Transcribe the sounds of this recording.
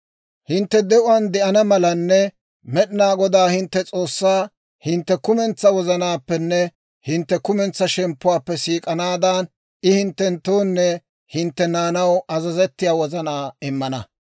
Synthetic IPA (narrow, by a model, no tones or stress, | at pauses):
hɪnt̪ːɛd̪ɛʔʊwɐnd̪ɛʔɐnɐmɐlɐnːɛ | mɛɗɪnaːɡɔd̪aːhɪnt̪ːɛt͡sʼo̞ːsːaː | hɪnt̪ːɛkʊmɛnt͡sːɐwɔzɐnaːpːɛnːɛ | hɪnt̪ːɛkʊmɛnt͡sːɐʃɛmpːʊwaːpːɛsiːkʼɐnaːd̪aːn | ɪhɪnt̪ːɛnt̪oːnːɛ | hɪnt̪ːɛnaːnɐwɐzɐzɛt̪ːɪjaːwɔzɐnaːɪmːɐnɐ̰